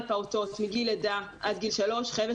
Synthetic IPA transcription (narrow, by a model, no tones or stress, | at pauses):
paut̪o̞t̪miɡiled̪aʔad̪ɡilʃalo̞ʃχeve